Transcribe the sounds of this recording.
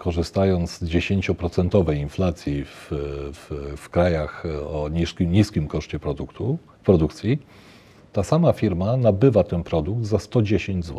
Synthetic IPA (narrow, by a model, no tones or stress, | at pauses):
kʰɔʐɘst̪ajɔnd̪zzd͡ʑeɕeɲt͡ɕɔpɾɔt̪sɛnt̪ɔvɛjinflat̪sʲjifffkɾajaxɔiɲiskʲimkɔʂt͡ɕɛpɾɔuu | pɾɔd̪ukt̪sʲji | t̪asamafʲiɾmanabɘvat̪ɛnpɾɔd̪uɡ̚d̪zast̪ɔd͡ʑeɕeɲd͡ʑzwɔ